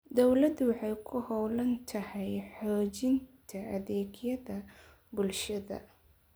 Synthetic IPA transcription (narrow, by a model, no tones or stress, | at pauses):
d̪ɔwlɐd̪wɑħɑjkʰʊhɔwlɐnt̪ʰɐhɛjħɔːt͡ʃɪnt̪ʰɐɐðɛːɡjɐðɐ | bʊlʃɐðɐ̰